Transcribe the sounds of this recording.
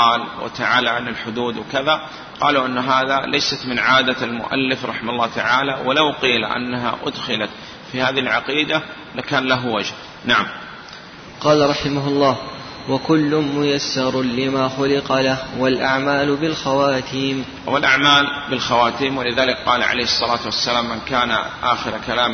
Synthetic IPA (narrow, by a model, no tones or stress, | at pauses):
ɑːlwɪ̰t̪aʕaːlaʕanɪlħʊd̪uːd̪wɪkaða | qɑːluʔɪnːɦaːðalʔajsat̪mɪnʕaːd̪almʊ̰ʔa̰lːɪfɾˤɑħɪmʊlˤːɑːt̪aʕaːlawalawqiːlʔa̰nːaɦa̰ʔʊ̰d̪xɪlat̪ | fihaːðiɪlʕaqiːd̪a | lakaːnlaɦwad͡ʒh | naʕam | qɑːlaɾˤɑħɪmaɦʊlˤːɑːh | wakʊlːʊnmʊjasːɑɾˤlɪmaːxʊlɪqɑlahwalʔaʕmaːlbɪlxawaːt̪ʰiːm | walʔaʕmaːlbɪlxawaːt̪iːmwɪlɪðaːlɪkqɑːla̰ʕa̰lejhɨsˤːɑlaːt̪wasːalaːmːankaːna̰ʔaːxɪɾkalaːm